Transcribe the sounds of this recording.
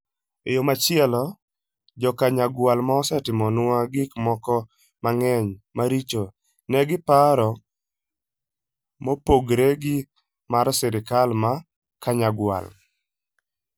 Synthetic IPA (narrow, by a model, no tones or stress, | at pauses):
ejomat͡ʃɪɛlɔ | d͡ʒɔkaɲaɡwalmaɔsɛtɪmɔnʊaɡɪkmɔkɔ | maŋɛɲmaɾit͡ʃo | nɛɡɪpaɾɔ | mopoɡɾeɡɪ | maɾsɪɾɪkalma | kaɲaɡwa̰l